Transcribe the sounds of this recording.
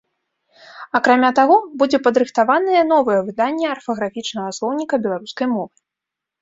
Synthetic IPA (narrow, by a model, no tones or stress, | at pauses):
akɾamʲat̪aɣɔbud͡zʲɛpɐd̪ɾɨxt̪avanɨjɛn̪ɔvɐjɛvɨd̪anʲːɛɐrfɐɣɾafʲit͡ʂnɐɣɐslˠɔwnʲikɐbʲɛlˠaɾuskɐjmɔvɨ